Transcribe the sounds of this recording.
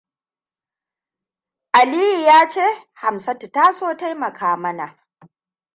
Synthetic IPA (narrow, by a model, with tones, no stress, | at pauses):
ʔa˨liː˦ji˨jaː˦t͡ʃeː˦ha˨msɐ˦tta˦soː˦ta˦jmɐ˨kaː˦mɐ˦na˨ʔ